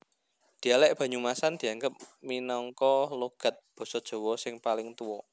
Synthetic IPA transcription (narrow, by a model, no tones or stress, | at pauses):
d̪̥i̤alɛʔb̥ä̤ɲumasand̪̥i̤aŋɡəp̚minɔŋkɔloɡ̥a̤t̪̚b̥ɔ̤sɔd̥ʒ̥o̤wɔsɪŋpalɪŋt̪uwɔ